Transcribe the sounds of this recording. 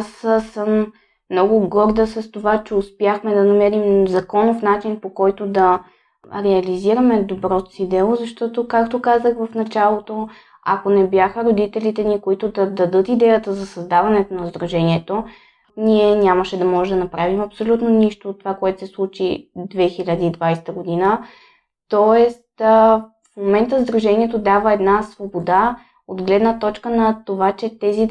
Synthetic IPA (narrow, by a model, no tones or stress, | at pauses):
ssəmː | nɔɡʊɡɔɾd̪əsɐst̪ovat͡ʃɛʊspjaxmɛd̪ɐnɐmɛɾimzɐkɔnofn̪at͡ʃinpokɔjt̪od̪ɐ | ɾɛɐliziɾɐmɛd̪obɾɔt̪o̥sid̪ɛlˠozɐʃt̪ɔt̪okakt̪okazəxvɐfnɐt͡ʃalˠot̪o | ɐ̰konɛbjaxəɾod̪it̪ɛlit̪ɛnikoit̪ʊd̪ɐd̪ɐd̪ɤt̪id̪ɛjət̪əzɐsɐzd̪avɐnɛt̪onɐzd̪ɾɐʒɛniɛt̪o | niɛnʲaməʃɛd̪ɐmɔʒɛd̪ɐnɐpɾavimɐpsolʲut̪noniʃt̪oːt̪ːovakoɛt̪o̥sɛslˠut͡ʃid̪vɛxilʲəd̪əid̪vajsɛ̥t̪əɡod̪inə | t̪ɔɛst̪ | fmomɛnt̪əzd̪ɾɐʒɛniɛt̪od̪avəɛd̪nasvobod̪a | od̪ɡlɛd̪nət̪ɔt͡ʃkənɐt̪ovat͡ʃɛt̪ɛzi